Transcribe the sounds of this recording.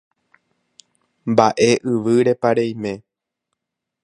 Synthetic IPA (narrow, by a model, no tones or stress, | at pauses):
mbaʔe̞ʔɨʋɨɾe̞paɾejmẽ̞